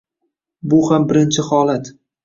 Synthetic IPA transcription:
bʊhambɪɾɪnt͡ʃʰɪhɒlat̪

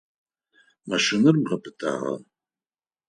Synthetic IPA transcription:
maʃɪnɨrʁɐpʰʼɨtʰʼa̰ʁa̰

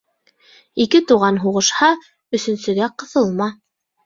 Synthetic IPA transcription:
ikɘt̪uʁɑnɦuʁɤ̆ʃhɑ | ɵ̆sɵ̆nsɵ̆ɡæqɤ̆θɤlˠmɑ

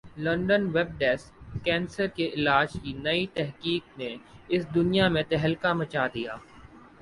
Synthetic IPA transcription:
lɐ̃ɳɖənʋɛb̚ɖɛːskɛ̃ːnsəɾkeʔɪlaːd͡ʒkinɐit̪ɛɦkiːk̚neɪsd̪ʊnijamẽt̪ɛɦəlkamɐt͡ʃad̪ijaː

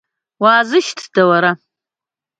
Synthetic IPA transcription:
waːzɨʃtʰd̥awaɾa

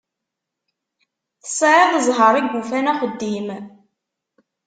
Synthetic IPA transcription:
θə̥saɾɑðəzˤɦəɾˤiɡːufænæχəd̪ːim

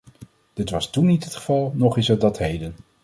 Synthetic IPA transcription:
d̥ɪtʋɑstunːitɦətχəvɑlˠnɔχɪsət̚dɑtɦejdən

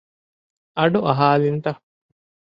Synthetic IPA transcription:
ɐɖuʔɐɦaːlint̪ɐ

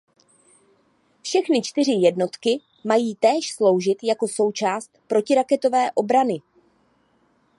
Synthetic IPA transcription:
fʃɛxnɪt͡ʃt̪ɪr̝ɪjɛdno̞t̪kɪ | majiːt̪ɛːʃslo̞wʒɪt̪jako̞so̞wt͡ʃaːst̪̚pɾo̞cɪɾakɛt̪o̞vɛːʔo̞bɾanɪ

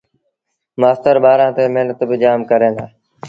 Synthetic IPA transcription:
maːst̪əɾɓaːɾãːt̪eːmeɦnət̪bɪd͡ʒaːmkəɾẽːɡ̪aː

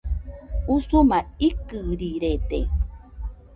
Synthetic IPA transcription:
usumaikɨɾiɾet̪ḛ

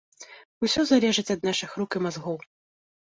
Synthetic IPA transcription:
usʲɔzalʲɛʐɨt͡sʲɐd̪̚naʂɨxɾukimazɣɔw

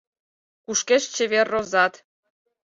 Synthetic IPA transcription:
kuʃkeʃt͡ɕeβerːozɑt̪

